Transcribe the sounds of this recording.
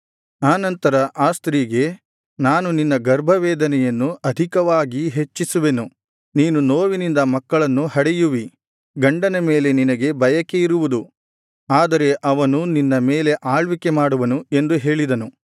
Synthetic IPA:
aːnɐnt̪ɐɾɐʔaːst̪ɾiɡe̞ | naːnuninːɐɡɐɾbʱɐʋɛːd̪ɐnɛjɐnːuɐd̪ʱikɐʋaːɡiɦe̞t͡ʃːisuʋe̞nu | niːnunoːʋinind̪ɐmɐkːɐɭɐnːuhɐɽɛjuʋi | ɡɐɳɖɐnɐme̞ːle̞ninɐɡe̞bɐjɐkːe̞iɾuʋud̪u | aːd̪ɐɾe̞ʔɐʋɐnuninːɐme̞ːle̞ʔaːɭʋikːe̞maːɽuʋɐnue̞nd̪uɦe̞ːɭid̪ɐnu

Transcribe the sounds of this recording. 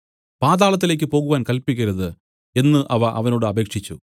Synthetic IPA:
paːðaːɭɐt̪̬ːile̞ːkʲːɨpo̞ːɣuʋaːnkɐlpikʲːɐɾɐðɨ | e̞nːɨʔɐʋɐʔɐʋɐno̞ːɽɨɐbe̞ːkʂit͡ɕːu

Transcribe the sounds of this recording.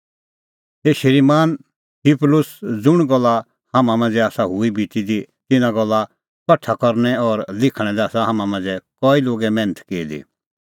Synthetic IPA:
ɦeːʃəɾimaːn | tʰiplʊsd͡zʊɽ̃ɡɔlːa | haːmãmãːnd͡zɛaːsaɦʊibʱitid̪it̪ɪnãɡɔlːa | pɐʈʰakɔɾñɛɔɾlɪkʰɽ̃ɛ̃d̪ɛaːsaɦaːmãmãːd͡zɛkɔːiloːɡɛmɛ̃ːnət̪ʰkeːd̪ḭ

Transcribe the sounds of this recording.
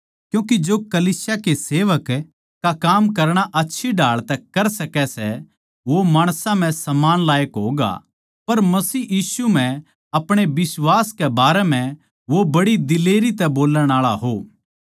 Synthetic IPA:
kjũːk̬id͡ʒoːkɐliːsjakeseːʋək | kakaːmkɐɾɽ̃aʔɐtːʃʰiɖaːɭt̪ɛkɐɾsɐkɛsɛ | ʋomaːɽ̃sãm̤ɛ̃sɐmaːnlaːjəkɦoːɡa̰ | pɐɾmɐsiːjiːsum̤ɛ̃ | ɐpɽ̃ebɪswaːskebaːɾɛm̤ɛ̃ | ʋobɐɽid̪ɪleːɾit̪ɛboːləɽ̃aːɭaɦoː

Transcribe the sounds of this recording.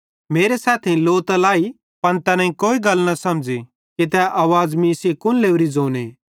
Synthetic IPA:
meːɾesaːt̪ʰẽloːt̪ɐlaːi | pɐnt̪ɛnãːĩkoːiɡɐlnɐsɐmd͡zi | kit̪̬ɛʔaːʋaːd͡zmĩːsekʊnleːuɾid͡zoːneː

